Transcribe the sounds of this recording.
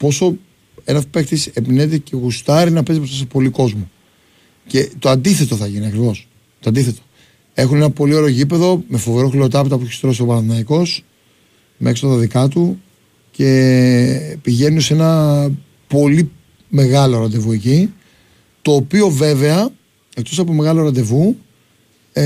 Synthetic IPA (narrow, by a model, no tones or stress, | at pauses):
po̞so̞ | e̞nɐfpe̞kxt̪isepine̞t̪ece̞ɣust̪ɐɾinɐpezipost̪ɐsepo̞liko̞zmu | ce̞t̪oɐnd̪iθe̞t̪o̞θɐʝiniɐkɾivo̞s | t̪oɐnd̪iθe̞t̪o | e̞xune̞nɐpo̞lio̞ɾe̞ʝip̬e̞ðo̞me̞fo̞ve̞ɾo̞xlio̞t̪ɐpit̪ɐpueçest̪ɾo̞sio̞pɐnɐθinɐiko̞s | mexst̪ɐðɐðikɐt̪u | ce̞ | piʝe̞nunse̞nɐ | po̞li | me̞ɣɐlo̞ɾɐnd̪e̞vue̞ci | t̪o̞ːpio̞ve̞ve̞ɐ | e̞kt̪o̞sɐpome̞ɣɐlo̞ɾɐnd̪e̞vu